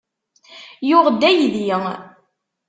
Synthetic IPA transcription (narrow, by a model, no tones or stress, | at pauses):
jʊʁd̪ːæjðjə